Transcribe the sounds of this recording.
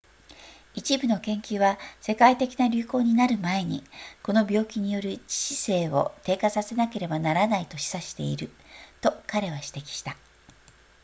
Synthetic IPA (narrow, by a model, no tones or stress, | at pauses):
it͡ɕibɯ̟no̞kẽ̞ŋkʲɨːβase̞kait̪e̞kʲinaɾʲɨːko̞ːɲ̟inaɾɯ̟mae̞ɲ̟ḭko̞no̞bʲo̞ːkʲiɲ̟ijo̞ɾɯ̟t͡ɕi̥ɕi̥se̞ːβo̞̰t̪e̞ːkasase̞nake̞ɾe̞banaɾanait̪o̞ɕi̥saɕi̥t̪e̞̰iɾɯ̟ | t̪o̞kaɾe̞βaɕi̥t̪e̞kʲi̥ɕi̥t̪a